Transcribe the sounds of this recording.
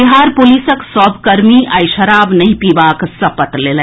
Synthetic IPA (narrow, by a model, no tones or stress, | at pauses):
ɪɦaːɾpʊliːsəksɔːbkɐɾmiʔɐɪʃɐɾaːbnɐɦĩpiːʋaːksɐpət̪leːlə̃